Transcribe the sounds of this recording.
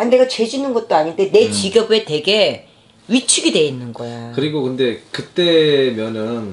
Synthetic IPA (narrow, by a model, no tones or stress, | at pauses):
aɲideɡat͡ɕe̞d͡ʑinɯnɡʌt̚t͈oaɲinde̞ne̞t͡ɕiɡʌbe̞te̞ɡe̞ | ɥit͡ɕʰuɡidwe̞inːɯnɡʌjokɯɾiɡokɯnde̞kɯt͈emjʌnɯn